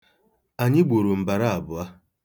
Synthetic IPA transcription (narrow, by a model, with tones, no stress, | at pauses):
a˨ɲɪ˦ɡ͡bo˨ɾo˨m̩˨ba˨ɾa˦a˨bʊ˨a˦